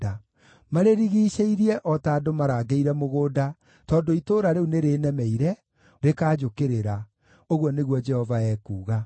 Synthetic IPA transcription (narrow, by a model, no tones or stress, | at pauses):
a | maɾeɾiɣiːʃeiɾiɛʔɔtaːdomaɾaɡeiɾɛmoɣoːda | tɔːndoitoːɾaɾeuneɾeːnɛmɛiɾɛ | ɾekaːd͡ʒokeɾeɾa | oɣwɔneɣwɔd͡ʒɛhɔvaɛːkuːɣa